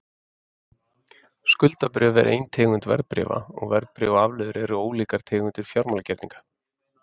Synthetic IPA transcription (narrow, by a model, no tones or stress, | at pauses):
skʏlt̪apɾʏːvɛ̰ɾʔḛjnt̪ʰɛːɣʏnt̪vɛ̰ɾpɾɪ̰ːva̰ɔɣvɛɾpɾɪːvaaːvlœːðʏɾɛɾʏoːwliːkaɾ̥t̪ʰɛːɣʏnt̪ʏɾ̥fjawɾmaːlacɛɾt̪niŋkḁ